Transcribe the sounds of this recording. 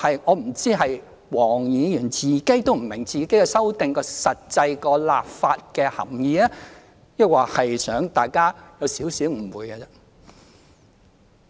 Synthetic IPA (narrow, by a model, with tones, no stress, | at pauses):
hɐ˨jŋɔː˨˧m̩˨˩t͡siː˥ɦɐ˨j | wɔː˨˩ŋjiː˨˧jyː˨˩nt͡siː˨˩ke˨˥jt̪o˥wm̩˨˩mɪ˨˩ŋt͡siː˨ke˨˥jkɛ˧sɐ˥wt̪ɪ˨ŋkɔː˧sɐ˨t̚t͡sɐ˧jkɔː˧la̰ː˨p̚faː˧t̚kɛː˧hɐ̰˨˩mjiː˨ɛ˥ | jɐ˥k̚waː˨˩hɐ˨jsœː˨˥ŋt̪aː˨jkaː˥jɐ˨˧wsiː˨˥wsiː˨˥wm̩˨˩wuː˨˧jɡɐ˧t͡sɛ˧